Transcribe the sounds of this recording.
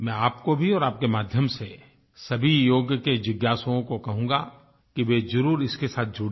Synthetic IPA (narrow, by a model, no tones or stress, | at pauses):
mɛ̃aːp̚kobʱiɔːɾaːp̚kemaːd̪ʱjəmse | sɐbʱijoːɡjked͡ʒɪɡjaːsoõkokɐɦũːɡa | kiʋezɐɾuːɾɪskesaːt̪̚ʰd͡ʒʊɽ